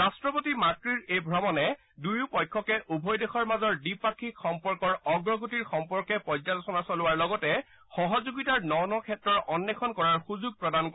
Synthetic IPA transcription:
ɹastɹɔpotimakɹiɹejbʱɹɔmɔnɛ | dujʊpɔjkʰːɔkɛʔʔubʱɔjdexɔɹmazɔɹdipakʰːikxɔmpɔɹkɔɹɔɡɹɔɡutiɹxɔmpɔɹkɛpɔzalɔsɔnasɔlʊwaɹlɔɡɔtɛ | xɔɦɔzuɡitaɹnɔnɔkʰɛtɹɔɹʔɔnːɛkʰɔnkɔɹaɹxuzuɡ̚pɹɔdank

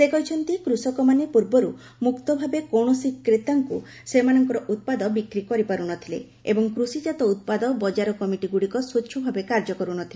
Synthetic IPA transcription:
sekɔɦit͡ʃʰɔnt̪ikɾusɔkɔmanepuɾbɔɾu | mukt̪ɔbʱabekɔɳ̃ɔsikːɾet̪aŋku | semanɔŋkɔɾɔʔut̪̚pad̪ɔbikɾikɔɾipaɾunɔt̪ʰilḛ | ebɔŋkɾusid͡ʒat̪ɔut̪̚pad̪ɔbɔd͡ʒaɾɔkɔmiʈiɡuɽikɔswutːʃʰɔbʱabekaɾd͡ʒɔkɔɾunɔt̪ʰile

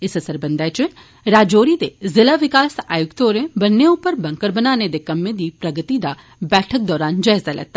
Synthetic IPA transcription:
ɪsɐsəɾbənd̪aːjt͡ʃʊ | ɾaːd͡ʒoːɾid̪ezɪlaʋɪkaːsa̰ːjʊkt̪oːɾẽbɐnːeʊpːəɾbɐ̃ŋkəɾbənaːned̪ekɐmːẽd̪iːpɾɐɡət̪id̪a | bɛːʈʰək̚d̪ɔːɾaːnd͡ʒaːɪzalɛ̰ɡ̚t̪a

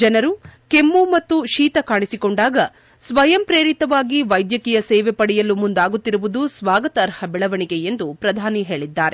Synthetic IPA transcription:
d͡ʒɐnɐɾuke̞mːumɐt̪ːuʃiːt̪ɐkaːɳisikoɳɖaːɡɐ | sʋɐjɐmpɾeːɾit̪ɐʋaːɡiʋɐjd̪jɐkijɐsɛːʋepɐɽɛjɐlːumund̪aːɡut̪ːiɾuʋud̪usʋaːɡɐt̪ɐːɾhɐbɛɭɐʋɐɳiɡe̞jend̪upɾɐd̪ʱaːniɦe̞ːɭid̪ːaːɾe

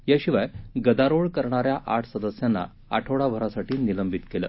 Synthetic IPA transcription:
jaɕiʋajɡəd̪aɾoɭkəɾɳaɾjaʔaʈʰsəd̪əsjanːa̰ | a̰ʈʰoɭaʋʱəɾasaʈiːniləmbʱit̪kelə̰ː

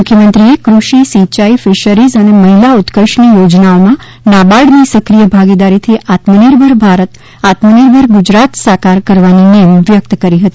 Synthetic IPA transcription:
mʊkʰjəmənt̪ɾiekɾuʃisit͡ʃaifɪʃəɾizəneməɦilaut̪kəʃnijod͡ʒnaomã | nabaɽnisəkɾijəbʱaɡid̪aɾit̪ʰiʔat̪məniɾbʱəɾbʱaɾət̪ | at̪məniɾbʱəɾɡud͡ʒɾat̪sakaɾkəɾʋaninemʋjək̚t̪kəɾiɦət̪i

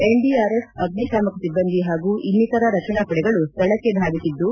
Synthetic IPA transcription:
eɳɖiaːɾesɐɡnikaːmɐkɐsibːɐnd̪iɦaːɡuːʔinːit̪ɐɾɐɾɐt͡ʃɐɳakɐɽɛɡɐɭust̪ɐɭɐkːeb̪ʱaːɡisid̪ːu

